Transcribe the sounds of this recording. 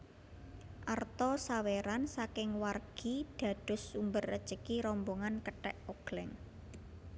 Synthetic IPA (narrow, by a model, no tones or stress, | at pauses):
ʔart̪ɔsaweɾansakɪŋwarɡ̥id̥ä̤d̥ʊ̤sːumbərə̰̥t͡ʃəkiɾɔmboŋankəʈɛʔoɡ̥lɪŋ